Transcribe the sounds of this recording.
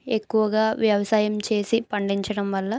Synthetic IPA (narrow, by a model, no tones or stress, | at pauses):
e̞kːuʋɐɡaːʋjɐʋɐsaːjɐmt͡ʃe̞ːsipɐɳɖiɲt͡ʃɐɽɐmʋɐlːɐ